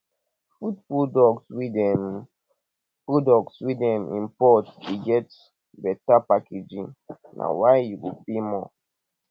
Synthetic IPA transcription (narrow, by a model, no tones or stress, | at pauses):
fut̚pudɔkswidɛm | podɔkswidɛmḭ̃mpɔtiɡɛt | bɛtapaked͡ʒinnʔa̰waɪjuwḭbimɔ̰